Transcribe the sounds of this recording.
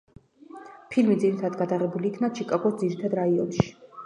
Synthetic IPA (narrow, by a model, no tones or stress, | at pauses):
pʰilmid̪ziɾit̪ʰad̪ɡad̪aʁɛbuliːkʰnat͡ʃʰikʼaɡɔd̪ziɾit̪ʰad̪ɾaiɔ̰nʃi̥